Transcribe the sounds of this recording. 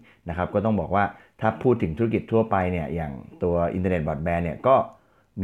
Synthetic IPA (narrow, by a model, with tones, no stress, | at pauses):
na˦˥kʰa˦˥p̚kɔː˥˩t̪ɔ˥˩ŋbɔː˨˩k̚waː˥˩ | t̪ʰaː˥˩pʰuː˥˩t̪ʰːɯ˩˦ŋt̪ʰu˦˥˦ki˨˩t̪ʰːu˥˩ɐpa˧jni˥˩ɐjaː˨˩ŋt̪u˧ɐʔḭ˧nt̪aː˧ne˨˩t̪̚bɔ˨˩bɛː˧ni˥˩ɐkɔː˥˩ | m